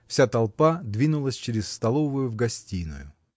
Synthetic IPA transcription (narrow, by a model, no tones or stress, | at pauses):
fsʲat̪ɐlˠpad̪vʲinʊlˠəsʲt͡ɕɪɾʲɪsst̪ɐlˠovʊjʊvɡɐsʲtʲinʊ̰jʊ